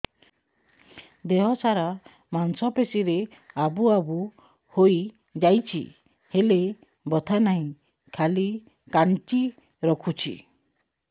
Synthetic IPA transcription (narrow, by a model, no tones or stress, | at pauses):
d̪eɦɔsaɾa | mansɔpesiɾe | abuabu | hoj | d͡ʒajt͡ʃʰḭ | hele | bɔt̪ʰanaɦĩ | kʰali | kaɳt͡ʃi | ɾɔkʰut͡ʃʰḭ